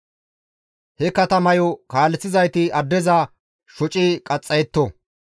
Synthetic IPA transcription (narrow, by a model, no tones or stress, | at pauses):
hɛkɐt̪ɐmɐjɔkaːlɛt͡sːɪzɐjt̪ɪɐd̪ːɛzɐ | ʃɔt͡ʃʼɪkʼɐt͡sʼːɐjɛt̪ːɔ